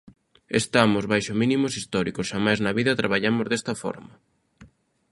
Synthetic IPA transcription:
est̪amʊzβajʃomĩnimʊsist̪ɔɾikosʃamajznɐβiðɐt̪ɾʔaβ̞aʎamʊzðest̪ɐfɔ̰ɾmɐ

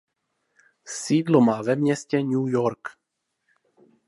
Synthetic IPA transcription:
siːdlomaːvɛmɲɛscɛɲuːjoɾk

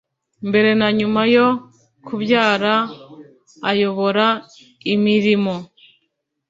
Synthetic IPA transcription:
mbe̞ɾe̞naɲumajo̞ | kʰuβjaːɾaː | jo̞βo̞ɾa | imiɾimo̞

